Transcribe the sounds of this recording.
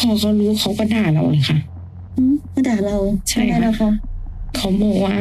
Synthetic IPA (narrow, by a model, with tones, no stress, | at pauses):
kʰɔː˧˩kʰɔ˧˩ɾuː˦˥kʰa˧˥wkɔː˧˩naː˧˩la˧˩wla˨˩jxʰa˧˥˩ʔ | ʔɯː˧˩aː˥˩t̪ɛː˨˩la˧wt͡ɕʰa˥˩jaː˥˩la˧˩kʰa˦˥˩ʔkʰa˧˥wbɔː˨˩k̚waː˧˥˩